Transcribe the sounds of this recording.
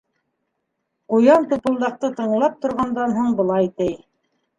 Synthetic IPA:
qujɑnt̪upɤ̆lˠd̪ɑq̚t̪ɤt̪ɤ̆ɴlˠɑp̚t̪ŏɾʁɑnd̪ɑnɦuɴbɤ̆lˠɑjt̪ɘj

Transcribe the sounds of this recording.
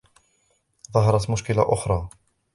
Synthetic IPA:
ðˤɑɦɑɾˤɑt̪mʊʃkɪla̰ʔʊxɾˤɑː

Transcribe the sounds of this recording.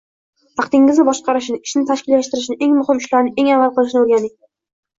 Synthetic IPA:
hɑqt̪ɪŋɪzʲɪbɒʃqʰɑɾɪʃ̬nɪɪʃnɪt̪ʰaʃkʲɪlːaʃt̪ɪɾɪʃ̬ɪnɪʔeŋmʊhɪmɪʃlaɾnɪʔe̞ŋavːalˠqɨlˠɪʃnɪoɾɡʲanɪŋ

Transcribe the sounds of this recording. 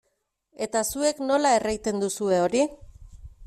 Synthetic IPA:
e̞t̪asue̞kno̞lae̞rajt̪e̞nd̪usue̞o̞ɾi

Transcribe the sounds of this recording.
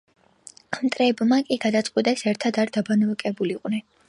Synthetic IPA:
amt̪ʼɾɛːbmakʼiɡad̪at̪sʼqʼwit̪ʼɛsɛɾt̪ʰad̪aɾd̪abanɔakʼɛbuliqʼnɛn

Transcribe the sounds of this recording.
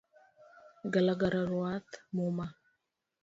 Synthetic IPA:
ɡalaɡaɾaɾuat̪moma

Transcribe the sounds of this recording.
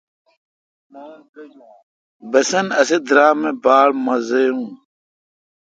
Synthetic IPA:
bɐsɐnɐsed̪ɾaːmebaːlmɐzejũː

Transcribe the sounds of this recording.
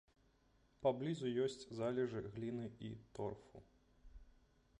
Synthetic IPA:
pablʲizujɔsʲt͡sʲzalʲɛʐɨɣlʲinɨḭt̪ɔrfṵ

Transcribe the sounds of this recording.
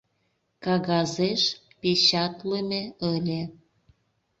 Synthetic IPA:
kɑɣɑzeʃ | pet͡ɕɑt̪lemeəlʲe

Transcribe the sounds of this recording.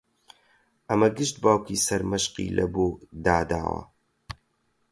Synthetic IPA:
ʔɐmɐɡɨʃt̪̚baːwkisɐɾmɐʃqḭːlʔɐ̰boːd̪aːd̪a̰ːwɐ̰

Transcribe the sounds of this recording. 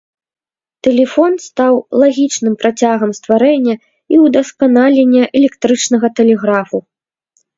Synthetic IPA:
t̪ɛlʲɛfɔnst̪awlˠaɣʲit͡ʂnɨmpɾat͡sʲaɣɐmst̪vaɾɛnʲːɐ | iwd̪ɐskanalʲenʲːɐʔɛlʲɛkt̪ɾɨt͡ʂnɐɣɐt̪ɛlʲɛɣɾafu

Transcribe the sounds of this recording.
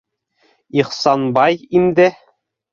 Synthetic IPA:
iχsɑnbɑjind̪ɘ

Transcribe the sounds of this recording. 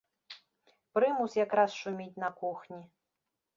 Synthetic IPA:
pɾɨmusʲjakɾasʂumʲit͡sʲnɐkuxnʲi

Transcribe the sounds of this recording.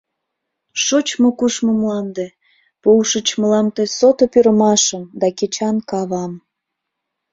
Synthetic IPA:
ʃot͡ɕmokuʃmomlɑnd̪e | powʃət͡ɕməlɑmt̪esot̪opyɾəmɑʃəmd̪ɑket͡ɕɑnkɑβɑm

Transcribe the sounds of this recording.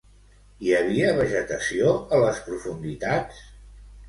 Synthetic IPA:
iəβ̞iəβəʒət̪əsioələspɾufund̪it̪at͡ss

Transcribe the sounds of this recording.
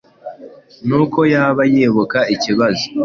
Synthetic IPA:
nuko̞jaːβajeβukaiciβazo

